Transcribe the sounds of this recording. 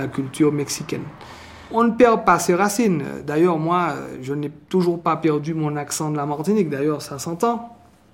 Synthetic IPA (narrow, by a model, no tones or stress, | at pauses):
akʲylt̪yʁmɛksikʲɛ̰n | ɔ̃nəpɛʁpaseʁasin̰d̪ajœʁmwaø̰ʒənɛt̪uʒuʁpapɛʁd̪ymɔ̃naksɑ̃d̪əlamaʁt̪inik̚d̪ajœʁsasɑ̃t̪ɑ̃